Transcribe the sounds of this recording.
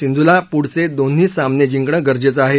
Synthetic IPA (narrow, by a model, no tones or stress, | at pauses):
sind̪ʱulapuɽ̤t͡sed̪on̤ːiːsamned͡ʑiŋkɳəɡəɾd͡ʑet͡səaɦe